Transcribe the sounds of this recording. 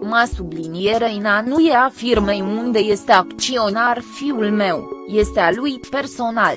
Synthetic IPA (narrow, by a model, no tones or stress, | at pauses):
masublinie̞ɾejnanujeafirmejund̪e̞je̞st̪e̞akt͡ʃio̞narfiulme̞wje̞st̪ealujpe̞rso̞nal